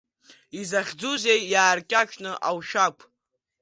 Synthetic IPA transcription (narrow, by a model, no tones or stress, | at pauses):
izaχʲd͡zuzejjaːrkʲʼat͡ʃʰʼnɨʔawʃakʷʰʼ